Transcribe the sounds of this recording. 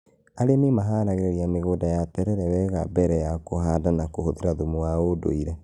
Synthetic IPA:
aɾememaɦaɾaɣeɾeɾiameɣoːdajatɛɾɛɾɛwɛɣabɛɾɛjakoɦaːdanakohoðeɾaðomuwaodo̰iɾɛ

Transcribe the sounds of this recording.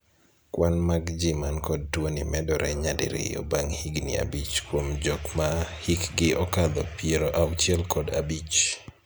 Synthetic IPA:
kwanmaɡd͡ʒɪmankɔd̚twonimɛdɔɾɛɲadḭɾɪ̰o̰baŋhiɡnḭa̰bit͡ʃkwomd͡ʒɔkmahikɡɪɔkad̪ɔ̰pieɾoʔawt͡ʃɛlkɔda̰bit͡ʃ

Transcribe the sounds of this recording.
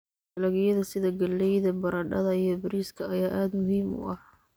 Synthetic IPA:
ɐlɐɣɪjɐðɐsɪðɐɡɐlːɛjðɐbɐɾɐɖɐ̰ðɐijɔbɪɾiːskʰɐɐjaːʔaːd̪mʊhiːmʊ̰ʔɐh

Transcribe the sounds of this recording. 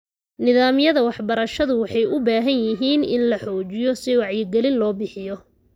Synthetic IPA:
nɪðaːmɪjɐðɐwɑħbɐɾɐʃɐðʊwɑħɑjʊbaːɦɐnjɪɦiːnɪ̰nlɐħɔːt͡ʃɪjɔsɪwɑʕjɪɡɛlɪnlɔːbɪħɪjɔ

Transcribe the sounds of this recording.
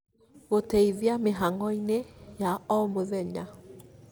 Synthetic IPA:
ɣotɛiðjameɦaŋɡɔinejaɔmoðɛɲa

